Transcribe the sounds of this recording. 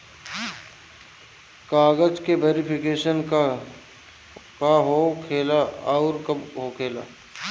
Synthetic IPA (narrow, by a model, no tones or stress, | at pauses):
kaːɡəd͡ʒkeʋeːɾɪpʰɪkeːʃən | kaɦokʰeːlaaʊɾkɦokʰeːla̰ː